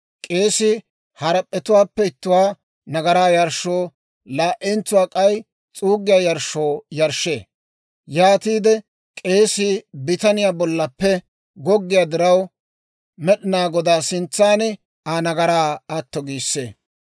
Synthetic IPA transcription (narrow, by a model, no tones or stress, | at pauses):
kʼe̞ːsɪ | hɐɾɐpʼːɛt̪ʊwaːpːɛɪt̪ːʊwaː | nɐɡɐɾaːjɐɾʃːoː | laːʔɛnt͡sʊwaːkʼɐj | t͡sʼuːɡɪjaːjɐɾʃːo̞ːjɐɾʃːḛː | jaːt̪iːd̪ɛ | kʼe̞ːsɪbɪt̪ɐnɪjaːbɔlːɐpːɛ | ɡɔɡːɪjaːd̪ɪɾɐw | mɛɗɪnaːɡɔd̪aːsɪnt͡sːaːnɪ | anɐɡɐɾaːɐt̪ːɔɡiːsːḛː